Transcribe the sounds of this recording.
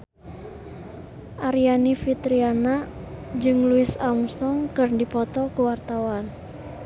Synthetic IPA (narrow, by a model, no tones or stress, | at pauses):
ʔaɾianifit̪ɾianad͡ʒɨŋluɪsamsɔŋkɨrndipɔt̪ɔkuwart̪awan